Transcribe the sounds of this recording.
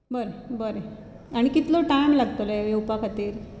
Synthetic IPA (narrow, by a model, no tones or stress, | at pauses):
bəɾebəɾe | aɽ̃ikit̪lɔʈajmlaɡt̪oleʋeupakʰat̪iːɾ